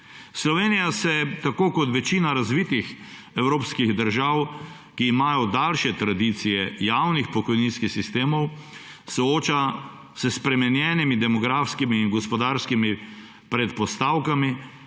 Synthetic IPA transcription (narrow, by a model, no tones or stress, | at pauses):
slɔʋeːnijasɛt̪akoːkɔt̪ʋɛt͡ʃiːnaɾazʋiːt̪ix | ɛwɾoːpskiɣd̪əɾʒaw | kiːmaːjɔd̪alʃɛt̪ɾad̪iːt̪sijɛjawnixpɔkɔjninskixsist̪eːmɔw | sɔoːt͡ʃa | səspɾɛmɛnjɛːnimid̪ɛmɔɡɾaːfskimiːnɡɔspɔd̪aːɾskimi | pɾɛt̪̚pɔst̪awkami